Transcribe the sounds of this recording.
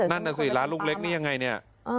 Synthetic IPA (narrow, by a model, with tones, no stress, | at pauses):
na˥˩nːa˧˩sɯː˨˩laː˦nlu˥˩ŋ̚le˦˥k̚niː˥˩ja˧ŋːa˧jni˥˩ɐ˧˩